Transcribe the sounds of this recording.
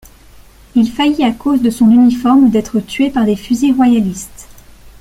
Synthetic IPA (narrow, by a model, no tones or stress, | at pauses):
ilfajiakozd̪əsɔ̃nynifɔʁmd̪ɛt̪χət̪ɥepaʁd̪efyziʁwajalist̪